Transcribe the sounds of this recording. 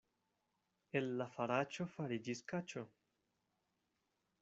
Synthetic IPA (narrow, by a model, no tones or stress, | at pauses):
elːafaɾat͡ʃofaɾid͡ʒiskat͡ʃo